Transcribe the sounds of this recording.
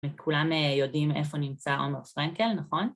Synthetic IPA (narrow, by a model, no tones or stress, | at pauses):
mikʰulamejo̞dimḛfo̞nimt͡saʔomeʁfʁaŋke̞lnaχo̞n